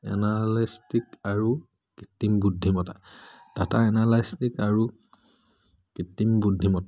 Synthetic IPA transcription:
ɛ̰nalistikaɹu | kitːimbudʱːimɔta | tataɛnalajstikaɹu | kitːimbudʱimɔta

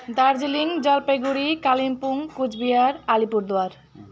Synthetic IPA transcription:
d̪aɾd͡ʑiliŋd͡ʑalpeɡuɾikalimpuŋkud͡ʑbiaɾalipuɾd̪oaɾ

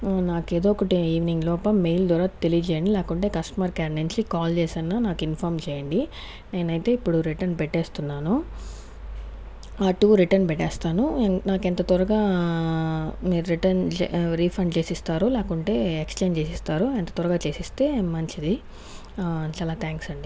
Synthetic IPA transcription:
naːkeːd̪oːɔkɐʈiiːʋniŋɡlɔːpɐmejld̪ɐːɾaːtt̪elijɐd͡ʒɛːjɐɳɖilɛːkuɳʈe̞ːkɐsʈɐmaɾkaːɾɳent͡ʃikaːlt͡ʃeːsɐnːaːnaːkinpʰaːɾmt͡ʃɛːjɐɳɖi | ne̞ːnɐjt̪e̞ːipːuɽuɾiʈɐɾnpɛʈːeːst̪unːaːnu | aːʈuːɾiʈɐɾnpɛʈːɛːst̪aːnunaːkent̪ɐt̪ɔɾɐɡaː | miːɾuɾiʈɐnɾiːpʰɐɳɖt͡ʃe̞ːsist̪aːɾulɛːkuɳʈe̞ːekst͡ʃeːnt͡ʃeːsist̪aːɾuent̪ɐ̥t̪ɔɾɐɡaːt͡ʃe̞ːsist̪e̞ːmmːɐɲt͡ʃid̪i | t͡ʃaːlaːt̪ʰaːŋksɐɳɖi

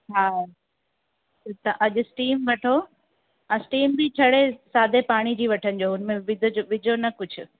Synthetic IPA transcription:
ɦaː | t̪ɐʔɐʄʊsʈiːmʋɐʈʰo | ɐ̃sʈiːmbɪt͡ɕʰɐɽesaːd̪ʱepaːɽ̃id͡ʑiːʋɐʈʰənɪd͡ʑoːʊnmẽʋɪd̪ʱoʋɪd͡ʑʱonɐkʊd͡ʑʱʊ

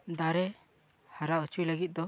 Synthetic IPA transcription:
d̪aɾɛ | haɾaut͡ʃujləɡit̪̚d̪ɔ

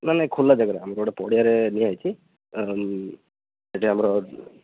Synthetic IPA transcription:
manekʰulːad͡ʒəɡəɾeamɾoɽepɔɽijaɾeniajt͡ʃʰi | eʈʰiɦamɾɔ

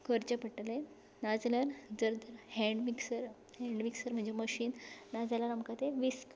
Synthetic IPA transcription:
kəɾt͡ɕəpəʈle | nad͡zləɾd͡zəɾd̪əɾhɛ̃ɳɖmiksəɾ | hɛɳɖmiksəɾm̤əɳd͡ʑeməɕiːnːad͡zalaɾamkat̪eʋisk

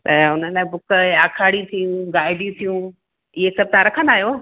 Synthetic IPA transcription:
t̪ɐʊnəlabʊkaːkʰaːɽit̪ʰijũɡaːɪɖĩt̪ʰijũ | ɪɦesɐb̚t̪ãɾɐkʰə̃nd̪aːɦijoː

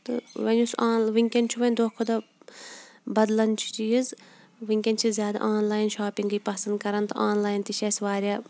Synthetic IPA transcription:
t̪ɨ̰ʋɐnʲusaːnʋiŋʲkʲent͡ʃʰuʋɐnʲd̪oːkʰod̪ɐ | bɐd̪lɐnt͡ʃʰu̥t͡ʃijiz | ʋiŋʲkʲɐnt͡ʃʰizʲjaːd̪a̰ːʔaːnlaːjnʃaːpiŋɡɨjpɐsɐnd̪kɐɾɐnt̪ɨʔaːnlaːjnt̪iʃʰɐsʋaːɾʲjaː

